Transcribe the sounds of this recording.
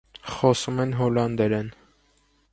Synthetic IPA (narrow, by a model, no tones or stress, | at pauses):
χɔsumɛnɦɔlɑnd̪ɛɾɛn